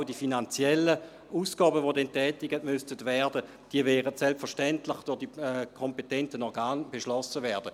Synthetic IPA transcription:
ʊdifinant͡sjɛlːə | uːsɡ̥ɑːbəʋodɛntɛːtɪɡətmʏstətʋɛːɐdə | d̥iəvɛːʁətsɛlpfɛɐʁʃtɛntlɪχd̥ʊʁd̥ikʰɔmpetɛntənɔʁɡaːnb̥eʃlɔsəʋɛːɐd̥ə

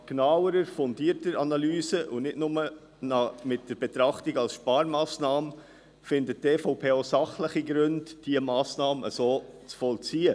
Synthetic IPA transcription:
knawəɾəɾfɔndiəɾtdəɾɑnɑlyːsəʔunɪdnʊmə | nɑmɪt̚d̥əɾb̥ɛt̪ɾɑχtiɡɑlsʃpɑːɾmɑːsnɑːm | fɪndət̚teːfoʊpʰeːosɑχləχiɡɾʉndd̥iəmɑːsnɑːməə̰soːt͡sfɔlt͡siːə

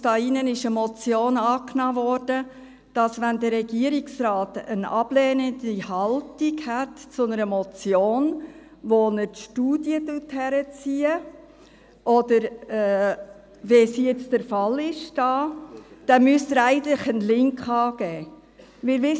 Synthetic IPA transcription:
d̥ɑːinənɪʃəmɔt͡sjoːnɑːknɑːvɔːɾd̥ə | d̥ɑsʋænd̪əɾɾɛɡ̥iəɾiksɾɑːtənɑb̥lɛːnəndihɑltiɡhætt͡sʊnəɾəmɔt͡sjoːn | ʋonətʃtuːd̥jədʊthæɾət͡siːə | ʔɔdəɾɛː | ʋesijɛt͡stəɾfɑlɪʃd̥ɑːd̥ɛmʏstəɾæɪɡənt̪ləχənlɪŋkχɑːɡ̥ɛː | ʋɪɾʋɪ

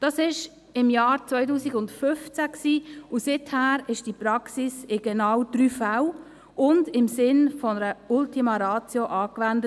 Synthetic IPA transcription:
d̥ɑːsɪʃ | ɪmjɑːɾt͡svɔʏtuːsiɡʊndfʏft͡sæksiːusɪthæːɾɪʃd̥ipɾɑksisɪɡ̥ɛnɑwd̥ɾyːfaw | ʔʊndɪmsɪnfɔnəɾəʊltiməɾɑːt͡sjoʔɑːkvændə

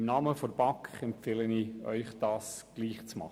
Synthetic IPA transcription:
mnɑːməfɔɾb̥ɑkχɛmfeləniːœ̰ʏχd̥ɑːsɡ̥liːχt͡smɑ̰χə

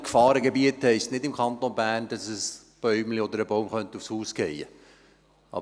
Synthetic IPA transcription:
kfɑːɾəɡebiəthɛɪstnɪdɪmkʰɑnt̪onbæːʁnd̥ɑsəs | b̥œʏmliɔd̪əɾəbɔʊmχœnt̪əufshuːsɡ̥ɛjə | ɑ̰b

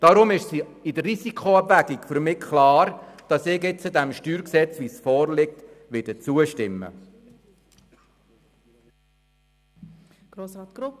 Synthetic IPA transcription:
d̥ɑɾʊmɪʃsi | idərisikʰoɑbʋæɡikfʏɾmɪkʰχlɑːɾd̥ɑsɪːkɪt͡sədɛmʃtyːɾksɛt͡sʋisfɔːɾlɪk̚tʋɪdət͡suəʃtɪmːə̰ | ɡ̥ɾoːsɾɑːtɡ̥ɾʊ

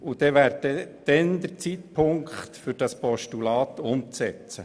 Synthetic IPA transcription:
ud̥̪ɛʋæːɾtɛd̪̥ɛnd̪əɾt͡sit̪pʰʊŋkχt̪fʏɾd̥ɑspɔʃtulɑːt̪ʊmt͡sɛt͡sə

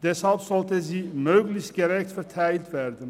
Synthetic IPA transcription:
d̪̥ɛshɑlpsɔlt̪əziːmœːklɪçt̪̚ɡ̥əɾɛkt̪fɛɾt̪ʰæɪlt̪ʋæɾd̪ən

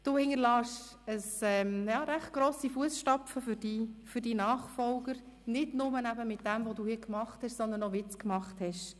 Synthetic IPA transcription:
d̥uːhɪŋəɾlɑːʃ | əsɛmjɑːɾæχt̚ɡ̥ɾoːsifuəsʃtɑpfəfʏɾd̥ifʏɾdinɑːχfɔlɡəɾ | nɪdnʊmənæbəmɪt̚d̥æmvoduːhiːkmɑχthɛʃsɔnd̪ənɔvɪt͡skmɑχthɛʃ

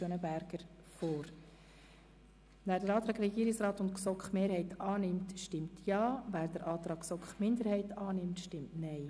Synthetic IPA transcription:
ønəbæɾɡ̥əɾ | foːɾ | væːɾdəɾɑːt̪ɾɑːɡɾɛɡiːɾɪksɾɑːtʊntksɔkχmeːɾhɛɪtɑːnɪmtʃtɪmtʰjɑːvæːɾdəɾʔɑːt̪ɾɑːksɔkχmɪndəɾhɛɪtʰɑːnɪmtʃtɪmtnɛɪ

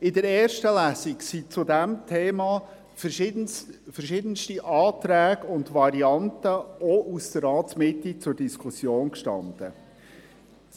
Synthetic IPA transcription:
ɪdəɾɛːrʃtəlæːsiksit͡sʊdæmtʰeːmɑ | fəʃɪdfəɾʃɪdənstiʔɑːt̪ɾæːɡʊndvɑɾiɑntəɔʔusd̥əɾɑːtsmɪtːit͡sʊɾrd̥iskʰʊsjoːnkʃtɑ̰nd̥ə̰

